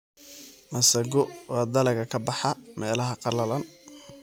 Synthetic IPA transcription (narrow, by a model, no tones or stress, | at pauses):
mɐsɐɡɔwɑːd̪ɐlɐɣɐkʰɐbɑħɑmɛːlɐɦɐqɑlɐlɐn